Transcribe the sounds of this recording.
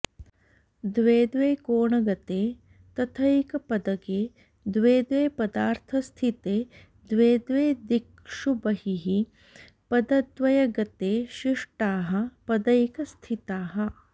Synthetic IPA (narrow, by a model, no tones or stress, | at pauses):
d̪ʋeːd̪ʋeːkoːɳɐɡɐt̪eː | t̪ɐt̪ʰɐjikɐpɐd̪ɐɡeː | d̪ʋeːd̪ʋeːpɐd̪aːɾt̪ʰɐst̪ʰit̪eː | d̪ʋeːd̪ʋeːd̪ik | ʂubɐhiɦi | pɐd̪ɐd̪ʋɐjɐɡɐt̪eːʃiʂʈaːɦɐ̆pɐd̪ɐjikɐst̪ʰit̪aːɦɐ